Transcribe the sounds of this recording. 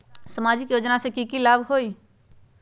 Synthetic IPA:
səmad͡ʒikjod͡ʒnasẽkikilabʱɦoi

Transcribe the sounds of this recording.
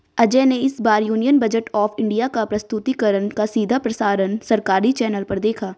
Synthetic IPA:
ɐd͡ʒeneɪsbaːɾjuːnijənbɐd͡ʒəʈɔːfɪ̃ɳɖijakapɾɐst̪ʊt̪ikəɾənkasiːd̪ʱapɾɐsaːɾənsɐɾkaːɾit͡ʃɛːnəlpɐɾd̪eːkʰaː

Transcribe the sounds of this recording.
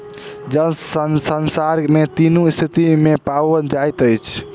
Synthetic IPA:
d͡ʒənsənsənsaɾmet̪inust̪ʰit̪imepawəd͡ʒajt̪əjt͡ʃʰ

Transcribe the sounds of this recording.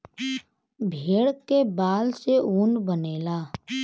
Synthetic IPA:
bʱeːɽkebaːlseuːnbəneːlaː

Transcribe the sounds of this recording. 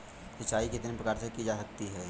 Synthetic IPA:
sɐt͡ʃaːikɪt̪nepɾəkaːɾsekid͡ʒasɐk̚t̪iɦɛː

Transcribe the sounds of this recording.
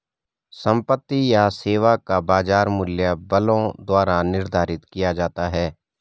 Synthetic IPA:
sə̃mpət̪ːijaseːʋakabaːzaːɾmʊljəbəlõd̪waːɾanɪɾd̪ʱaːɾɪt̪kijad͡ʒaːt̪aɦɛː

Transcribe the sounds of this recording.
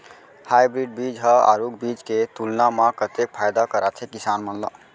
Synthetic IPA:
hajbɾiɖ̚bid͡ʒɦəa̰ɾukbid͡ʒket̪ulnamakət̪ek̚pʰajd̪akəɾat̪ʰekisanmənlə̰b

